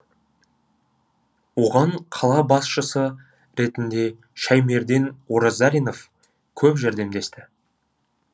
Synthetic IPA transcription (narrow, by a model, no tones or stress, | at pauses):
wo̞ʁɑɴqʰɑlˠɑbɑsʃəsə | ɾe̞t̪ɪnd̪e̞ | ʃæjme̞ɾd̪enwoɾozaɾʲijno̞f | kʲʰɵpʒæɾd̪e̞md̪e̞st̪ɪ